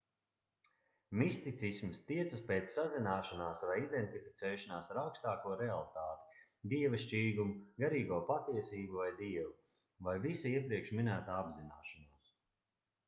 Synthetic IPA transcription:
mist̪it̪sismst̪iɛt̪sɐspeːt̪sːazinaːʃanaːsvajid̪ent̪ifi̥t̪sɛːʃanaːsaɾawkst̪aːkuɔɾealˠit̪aːt̪i̥ | d̪iɛvaʃt͡ʃiːɡumuɡaɾiːɡuɔpat̪iɛsiːbuvajd̪iɛvu | vajvisuiɛpɾiɛkʃminæːt̪aːabzinaːʃanuɔs

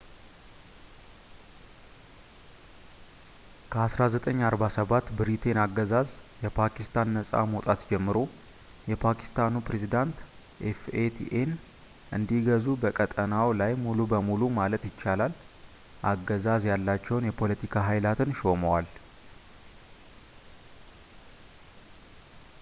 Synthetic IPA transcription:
kʰəasɾazət̪ʼəɲːaɾbasəβat̪ːbɨɾit̪ʰe̞naɡːəzazjɛpʰakist̪ʰanːəsʼa̰mot̪ʼat̪d͡ʒɛmːɨɾo̞ | jɛpʰakʰi̥st̪ʰanupɾe̞zid̪ant̪ | ʔefet̪ʰiʔen | ʔɨ̰nd̪iɡəzubəkʼət̪ʼənawlajmulubəmulumalət̪jɪt͡ʃːalal | ʔaɡːəzazjalːat͡ʃːɛwnjɛpʰo̞lət̪ʰikʰaɦajlat̪ʰɨnʃo̞məwal

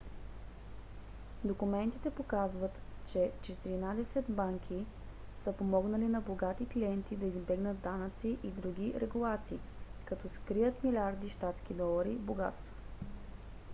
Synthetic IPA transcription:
d̪okumɛnt̪it̪ɛpokazvət̪t͡ʃɛt͡ʃɛt̪iɾinad̪ɛsɛt̪baŋkʰʲi | səpomɔɡnɐlinɐboɡat̪ikliɛnt̪id̪ɐizbɛɡnəd̪ːanət̪siʔid̪ɾuɡ̟ʲiɾɛɡulˠat̪siː | kɐt̪ɔskɾijət̪milʲaɾd̪iʃt̪at̪skʲid̪ɔlˠɐɾiboɡa̰t̪st̪vo̥

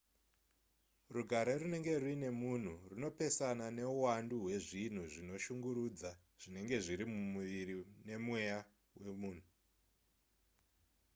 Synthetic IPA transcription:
ruɡʱaɾorune̞ŋɡe̞rwine̞mun̤uruno̞pe̞sanane̞uwanduɦwe̞ʐin̤uʐino̞ʃuŋɡuɾuːd͡za | ʐ̥ine̞ŋɡe̞ʐiɾimumuʋiɾine̞mwe̞ja | we̞muːn̤u

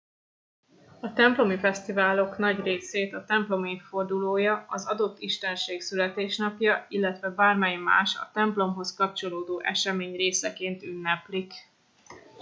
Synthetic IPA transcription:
ɒt̪ɛmplo̞mifɛst̪ivaːlo̞kn̪ɒɟreːseːt̪ɒt̪ɛmplo̞meːfo̞rd̪uloːjɒɒzɒd̪o̞t̪ːiʃt̪ɛnʃeːksylɛt̪eːʃnɒpjɒilːɛt̪ʋɛbaːrmɛjma̰ːʃɒ̰t̪ɛmplo̞mɦo̞skɒpt͡ʃo̞loːd̪oːʔɛʃɛmeːɲreːsɛkeːnt̪ynːɛplik

